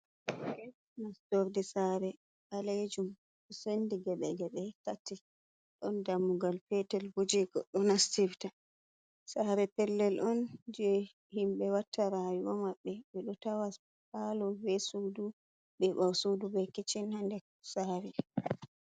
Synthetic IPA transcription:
kɛ | nastoɾdisaɾɛ | ʔaled͡ʒum | ɓɛsendiɡɛɓɛɡɛɓɛkatːi | ɗɔndamːuɡalfɛtɛlbud͡ʒiɡɔɗɔnastifta | saɾɛpɛlːɛlʔɔnd͡ʒɛ | himɓɛwatːaɾajuwɔmaɓːɛɓɛɗɔtawa | palɔbɛsudu | ɓɛɓawsudubɛkit͡ʃinhandɛ | saɾɛ

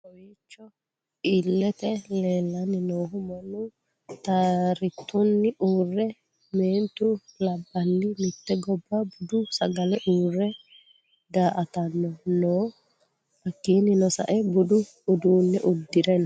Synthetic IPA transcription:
ɔjit͡ʃːɔ | ʔilːɛt̪ɛleːlːɐnːɪnoːɦʊmɐnʊ | t̪aɾɪt̪ːʊnːɪʔuːrːɛ | meːnt̪ʊlɐbːɐnːɪmɪt̪ːɛɡɔbːɐbʊd̪ʊsɐɡɐlɛʔuːrːɛ | d̪aːʔɐt̪ɐnːɔnoː | ɐkːiːnɪnɔsɐ̰ʔɛbʊd̪ʊː | d̪uːnːɛʔʊd̪ːɪd̪ɛnɐ

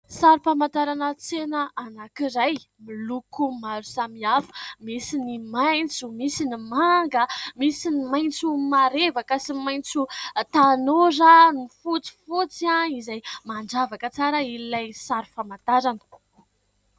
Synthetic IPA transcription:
saɾufamant̪aɾanət͡senəanakiɾaj | milukumaɾusamiafu̥misinimajnt͡sumisinimaŋɡəmisinimajnt͡sumaɾevakəsimajnt͡sut̪anoɾanifut͡si̥fut͡sianizajmaɳd͡ʒavakət͡saɾəillajsaɾufamant̪aɾanə̥

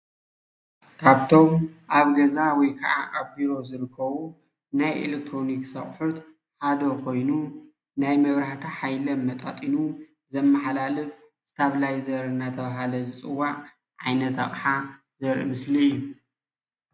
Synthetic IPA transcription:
kʰaβt̪ʰo̞mʔaβɡɐzawɔjkʰɐ̰ʕa̰ʔaβbiɾo̞zɨɾɨkʰːɐβu | najʔḛlek̚t̪ʰɾo̞niksɐχʼħut̪ | ħad̪okʰo̞jnu | najmɐβɾaħt̪ʰaħajlɐmːɐt̪ʼat̪ʼinu | zɐmːaħalalɨf | zɨ̥t̪ʰaβlajzɐɾnːat̪ʰɐβaɦalɐzɨt͡sʼɨwːaʔ | ʕajnɐt̪a̰χʼħa | zɐɾʔḭmɨsliɨjːu

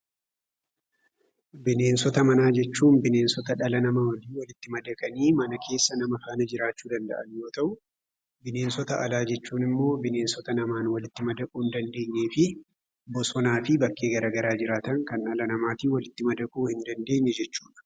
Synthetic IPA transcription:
bɪne̞ːnsɔt̪ɐmɐnaːd͡ʒɛt͡ʃːuːnbɪne̞ːnsɔt̪ɐᶑɐlɐnɐmawɐliːwɐlɪt̪ːɪmɐd̪ɐkʼɐniːmɐnɐkʰe̞ːsːɐnɐmɐfaːnɐd͡ʒɪɾaːt͡ʃːuːd̪ɐnd̪ɐ̰ʔɐnjo̞ːt̪ɐʔʊ | bɪne̞ːnsɔt̪ɐʔɐlaːd͡ʒɛt͡ʃːuːnɪmːo̞ːbɪne̞ːnsɔt̪ɐnɐmaːnwɐlɪt̪ːɪmɐd̪ɐkʼuːnd̪ɐnd̪e̞ːɲːe̞ːfɪ | bɔsɔnaːfɪbɐkːe̞ːɡɐɾaɡɐɾaːd͡ʒɪɾaːt̪ɐnkɐnᶑɐlɐnɐmaːt̪iːwɐlɪt̪ːɪmɐd̪ɐkʼuːhɪnd̪ɐnd̪e̞ːɲːɛd͡ʒɛt͡ʃːuːᶑɐ̥

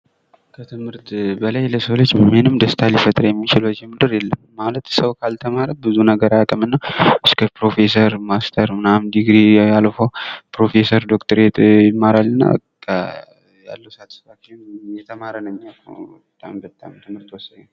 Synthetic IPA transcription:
kʰət̪ʰɨmhɨɾt̪bəlajləsəwlot͡ʃːbəmenɨmd̪əst̪ʰalifət̪ʼɾjɛmːit͡ʃɪləd͡ʒɛmɨd̪ɨɾjɛlːəmːalət̪səwkʰalt̪ʰəmaɾəbɨzunəɡəɾajakʼəmɨnːaɨskʰəpɾo̞fesəɾmast̪ʰəɾmɨnamd̪iɡɾialfopɾo̞fe̞səɾd̪okt̪ʰəɾet̪ʼjɪmːaɾalːɨnːa̰ | kʰə | ja̰lːəwsat̪ʰə̥sɾat͡ʃːɪnjɛt̪ʰəmaɾənəmːabət̪ʼːambət̪ʼːa̰mt̪ʰɨmhɨɾt̪wɔsːəd̪

